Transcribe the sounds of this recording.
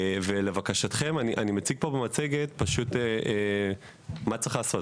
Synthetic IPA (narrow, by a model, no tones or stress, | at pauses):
vele̞vakaʃatχe̞maniʔanimet͡siɡ̚po̞bemat͡seɡe̞tpaʃut̪ee | mat͡sʁiχalaːso̞t